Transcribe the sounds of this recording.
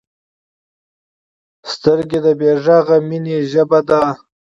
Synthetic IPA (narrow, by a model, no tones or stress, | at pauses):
st̪əɾɡed̪əbeʐaɣamineʒəbad̪a